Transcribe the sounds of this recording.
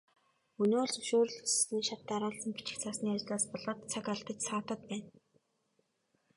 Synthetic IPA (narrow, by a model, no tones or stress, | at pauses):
ɵnoːɮsɵʃoːɾɵ̆ɮus̆siːŋʃat̪ːaɾʊːɮsə̆mpit͡ɕɪ̆xt͡sʰaːsniːat͡ɕ̆ɮaːspɔɮɔ̆ːt̪t͡sʰakaɮt̪ə̆t͡ɕsɔːt̪ə̆t̪̚pæːn